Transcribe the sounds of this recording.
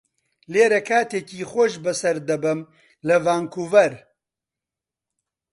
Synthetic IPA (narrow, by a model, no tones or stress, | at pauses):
leːɾɐkʰaːt̪eːkiːxʷoʃbɨsɐɾd̪ɐbɨm | lɨvaːŋkʰuːvɐɾ